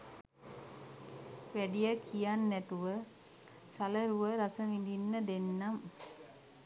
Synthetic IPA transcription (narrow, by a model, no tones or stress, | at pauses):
ʋæɖijəkʰijanːæt̪uʋə | saləɾuʋəɾasəʋid̪inːəd̪enːam